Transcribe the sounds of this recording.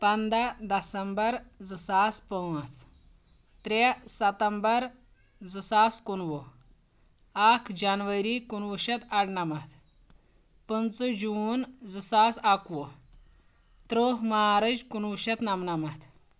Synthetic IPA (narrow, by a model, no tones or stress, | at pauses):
pɐnd̪ad̪ɐsəmbəɾd͡zɨsaspəʋət͡s | t̪ɾesɐt̪əmbəɾ | d͡zəsaskunʋo | akʰd͡ʑanʋəɾikunʋuɕɐt̪aɽnamat̪ | pənt͡səd͡ʑuːnd͡zɨsasakʋo | t̪ɾoɦmaaɾəd͡ʑkunʋuɕɐt̪namnamat̪